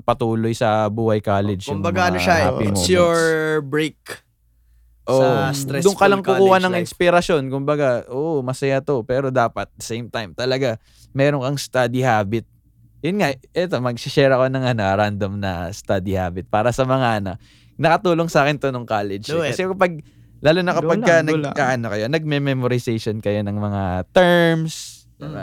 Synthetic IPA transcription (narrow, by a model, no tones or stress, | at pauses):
pɐt̪uːlo̞jsɐbuːhɐjkaːlɛd͡ʒʊmbɐɡaɐnoʃapɪmojoɹbɹejk | ʔoːʔsɾɛd̪ʊŋkɐlɐŋkʊkuːhɐnɐŋɪnspɪɾɐso̞nkʊmbɐɡaʔoːʔomɐsɐjat̪o̞pɛːɾo̞d̪aːpɐt̪̚d̪ɐsejmt̪ajmt̪ɐlɐɡa | mɛːɾonkɐŋst̪ad̪ihaːbɪt̪̚ | jʊnŋaɛt̪o̞mɐɡ̚sɪʃɛɹɐko̞nɐŋɐnɐɾand̪ɐmnɐ̰st̪ad̪iha̰ːbɪt̪̚paːɾɐsɐmɐŋaʔɐnaʔ | nɐkɐt̪uːlo̞ŋsaːkɪnt̪onoŋkaːlɛd͡ʒkɐsɛkɐpɐɡ̚ | laːlʊnɐkɐpɐɡkɐnɐɡaʔɐnokɐjo̞nɐɡ̚mɛmɛmoɾɪsejʃonkɐjo̞nɐŋmɐŋat̪ɛɹms | d̪ɪba